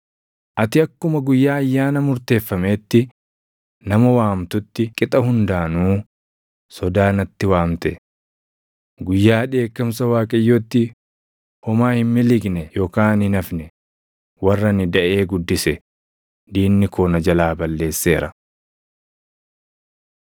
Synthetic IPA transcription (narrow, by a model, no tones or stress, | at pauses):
ʔɐt̪ɪɐkːʊmɐɡʊjːaːjːaːnɐmʊɾt̪e̞ːfːɐme̞ːt̪ːɪ | nɐmɐwaːmt̪ʊt̪ːɪkʼɪt̪ʼɐhʊnd̪aːnuː | sɔd̪aːnɐt̪ːɪwaːmt̪ɛ | ɡʊjːaːᶑe̞ːkːɐmsɐwaːkʼɐjːoːt̪ːɪ | hɔmaːhɪmmːɪlɪɡnɛjɔːkaːnhɪnɐfnɛ | wɐrːɐnɪd̪ɐʔe̞ːɡʊd̪ːɪsɛ | d̪iːnːɪkʰoːnɐd͡ʒɐlaːbɐlːe̞ːsːe̞ːɾɐ̰